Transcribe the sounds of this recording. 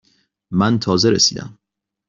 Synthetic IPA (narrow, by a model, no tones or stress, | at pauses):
mænt̪ʰɒːzeɾḛsḭːd̪æ̰m